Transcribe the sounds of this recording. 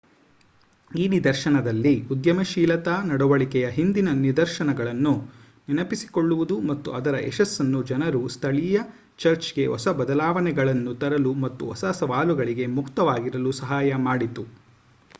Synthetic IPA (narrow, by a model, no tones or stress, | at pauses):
iːnid̪ɐɾʃɐnɐd̪ɐlːiud̪jɐmɐʃiːlɐt̪anɐɽɐʋɐɭikɛjɐɦind̪inɐnid̪ɐɾʃɐnɐɡɐɭɐnːu | ninɐpisi̥ko̞ɭːuʋud̪umɐt̪ːuɐd̪ɐɾɐʔɛʃɐsːɐnːud͡ʒɐnɐɾust̪ʰɐɭijɐ | t͡ʃɐɾt͡ʃɡe̞ʔɔ̰sɐbɐd̪ɐlaːʋɐnɛɡɐɭɐnːut̪ɐɾɐlumɐt̪ːuɔ̰sɐsɐʋaːluɡɐɭiɡe̞mukt̪ɐʋaːɡiɾɐlusɐɦaːjɐmaːɽit̪u